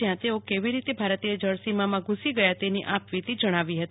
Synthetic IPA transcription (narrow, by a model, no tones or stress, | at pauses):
jãt̪eokeʋiɾit̪ebʱaɾt̪ied͡ʒəɭsimamãɡʱusiɡəjat̪eniʔapʋit̪id͡ʒəɽ̃aʋiɦət̪i